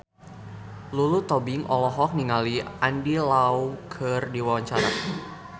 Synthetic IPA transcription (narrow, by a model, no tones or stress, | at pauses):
lulut̪ɔbiŋɔlɔɦɔk̚niŋaliandilawkʰɨrdiwawaɲt͡ʃaɾa̰